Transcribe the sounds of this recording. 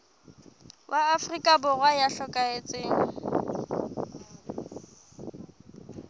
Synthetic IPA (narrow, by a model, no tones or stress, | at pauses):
wʔaːfrikʼabʊɣwajaɬɔkʼaet͡sʼeːŋ̩